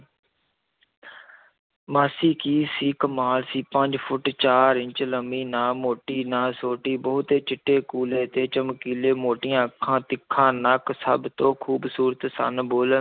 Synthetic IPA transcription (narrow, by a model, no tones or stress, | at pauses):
maːsiːkiːsiːkəmaːlsiːpəɲd͡ʒpʰʊʈt͡ʃaːɾɪɲt͡ʃləmiːnãːmoːʈiːnãːsoːʈiːbəʊt̪eːt͡ʃɪʈːeːkuːleːt̪eːt͡ʃəmkiːleːmoːʈɪjãːəkʰːãːt̪ɪkʰːãːnəksəbt̪õːkʰuːbsuːɾət̪sə̰nboːlə